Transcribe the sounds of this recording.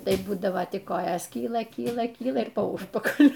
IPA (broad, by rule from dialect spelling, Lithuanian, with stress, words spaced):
ˈtɐɪ ˈbuːdɐʋoː tʲɪk ˈkoːjoːs ˈkʲiːlˠɐ ˈkʲiːlˠɐ ˈkʲiːlˠɐ ɪr poː ˈʊʃpɐkɐlʲʊ